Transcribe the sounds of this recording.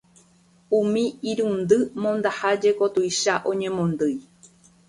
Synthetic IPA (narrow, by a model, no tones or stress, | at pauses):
ũmĩiɾund̪ɨmõ̞nd̪ahad͡ʒe̞ko̞t̪ujʃaʔõ̞ɲẽ̞mõ̞nd̪ɨj